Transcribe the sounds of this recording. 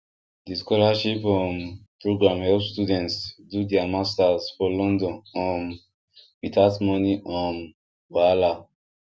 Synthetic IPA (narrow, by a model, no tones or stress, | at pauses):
diskɔlaʃipɔ̃npɹoɡɹãmhɛlpstudɛ̃ntsdudɛamastazfɔlɔ̃ndɔ̃nɔ̃n | witʰatmɔniʔɔ̃n | wala